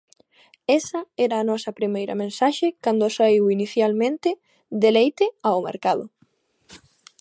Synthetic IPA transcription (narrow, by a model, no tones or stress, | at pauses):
ɛsɐɛɾɐːnɔsɐpɾimejɾɐ̰mẽnsaʃekand̪osaiwiniθjalmẽnt̪ɪ | d̪elejt̪ɪaomḛɾkaðʊ̰